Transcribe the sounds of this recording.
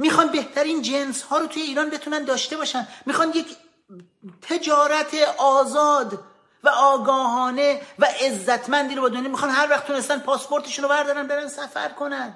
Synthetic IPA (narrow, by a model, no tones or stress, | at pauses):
miːxɒnbeht̪ʰæɾiːnd͡ʒenshɒːɾot̪ʰuːje̞iːɾɒːnbe̞t̪ʰuːnænd̪ɒːʃt̪e̞bɒːʃænd̪miːxɒːnd̪jecʰ | t̪ʰe̞d͡ʒɒːɾæt̪ʰeʔɒːzɒːd̪ | væʔɒːɡɒːɦɒːne̞væʔezːæt̪ʰmænd̪iːɾobɒːd̪onjɑmixɒːnhæɾvæχt̪ʰunest̪æn̚pʰɒːspo̞ɾt̪ʰeʃuːnovæɾd̪ɒːɾænbe̞ɾænsæfæ̰ɾkʰo̞næn